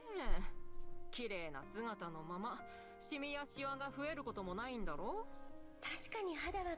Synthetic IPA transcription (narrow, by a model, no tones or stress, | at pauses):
e | kʲiɾe̞ːna̰sɨɡat̪ano̞mama | ɕimʲijaɕiβaɡaɸɯ̟e̞ɾɯ̟ko̞t̪o̞mo̞naĩnd̪aɾo̞ːt̪aɕi̥kaɲ̟iɦad̪aβa